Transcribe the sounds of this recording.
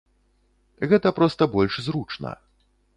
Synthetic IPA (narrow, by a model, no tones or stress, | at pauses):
ɣɛt̪ɐpɾɔst̪ɐbɔlʲʂzɾut͡ʂnɐ̰